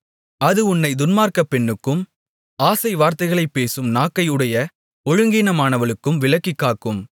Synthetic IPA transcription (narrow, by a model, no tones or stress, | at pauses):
ɐðɯʊnːɐɪd̪ʊnmaːɾkɐpːɛɳːɯkːɯm | aːsɐɪʋaːɾt̪ɐɪɣɐɭɐɪpːeːsɯmnaːkːɐjɯɽɐjɐ | ɔɻɯŋɡiːnɐmaːnɐʋɐɭɯkːɯmʋɪɭɐkːikːaːkɯm